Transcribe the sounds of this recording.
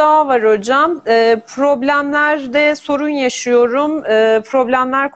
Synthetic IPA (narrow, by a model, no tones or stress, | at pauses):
avaɾo̞d͡ʒamɯːpʰɾo̞blʲæmlʲæɾd̪ɛso̞ɾunjaʃɯjo̞ɾumɯːpʰɾo̞blʲæmlʲæɾk